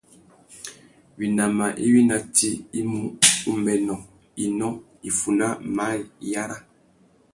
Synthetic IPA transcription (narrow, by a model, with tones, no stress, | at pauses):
wi˨na˨ma˨ʔi˦wi˦na˨ti˦i˦mu˦u˦mɛ˨nɔ˨ | i˨nɔ˦ | i˨fu˨na˦ma˦lja˦ɾa˦